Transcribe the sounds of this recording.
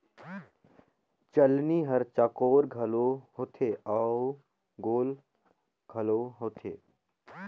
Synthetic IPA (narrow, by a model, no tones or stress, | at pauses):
t͡ʃəlniɦəɾt͡ʃakoːɾɡʱɐloɦot̪ʰeːa | ɡoːl | ɡʱɐloːɦoːt̪ʰḛː